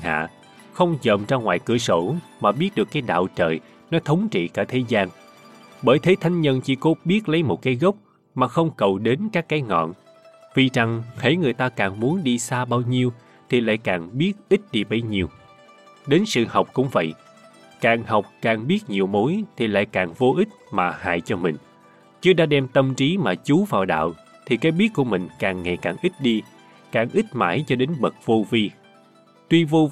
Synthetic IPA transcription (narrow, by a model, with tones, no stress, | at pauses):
ɦa̰ː˧˨ | xə˧wŋ͡mzə̰ː˧˨˩mt͡ɕaː˧ŋwaː˨jkɨ˧˩əso̰˧˩maː˨˩ɓi˦˥ət̚ɗɨ˨˩əkːaː˨˦jɗa̰ː˧˨wt͡ɕə̰ː˨˩j | nɔ˨˦t̪ʰə˨˦wŋ͡mt͡ɕḭ˧˨kaː˧˩t̪ʰe˨˦zaː˧n | ɓəː˧˩jt̪ʰe˨˦t̪ʰa˧jŋ̟ɲə˧nt͡ɕḭ˧˩ko˨˦ɓi˦˥ət̚lə˨˦jmo˨˩t̚kaː˨˦jɣə˦˥wk͡p̚ | maː˨˩xə˧wŋ͡mkə˨˩wɗe˨˦nkaː˦˥kːaː˨˦jŋɔ̰˧˨n | vi˨˩t͡ɕa˨˩ŋhe˧˩˦jŋɨ˨˩əjt̪aː˧kaː˨˩ŋmu˨˦ənɗi˧saː˧ɓaː˧wɲi˧əw | t̪ʰi˨˩la̰ː˧˨jkaː˨˩ŋɓi˦˥ət̚ʔi˦˥t̟̚ɗi˧ɓə˧jɲi˨˩əw | ɗe˨˦nsɨ̰˧˨ha˨˩wk͡p̚kʊ̰˧˥ŋ͡mvə̰˧˨jʔ | kaː˨˩ŋha˨˩wk͡p̚kaː˨˩ŋɓi˦˥ət̚ɲi˨˩əwmo˨˦jt̪ʰi˨˩la̰ː˧˨jkaː˨˩ŋvo˧ʔi˦˥t̚maː˨˩ha̰ː˧˨jt͡ɕɔ˧mï˨˩ŋ̟ | t͡ɕɨ˨˦ɗa̰ː˧˥ɗɛ˧mt̪ə˧mt͡ɕi˨˦maː˨˩t͡ɕu˨˦vaː˨˩wɗa̰ː˧˨w | t̪ʰi˨˩kaː˨˦jɓi˦˥ət̚ku˧˩əmï˨˩ŋ̟kaː˨˩ŋːa˨˩jkaː˨˩ŋʔi˦˥t̚ɗi˧ | kaː˨˩ŋʔi˦˥t̚ma̰ː˧˩jt͡ɕɔ˧ɗe˨˦nɓə˨˩t̚vo˧vi˧ | t̪wi˧vo˧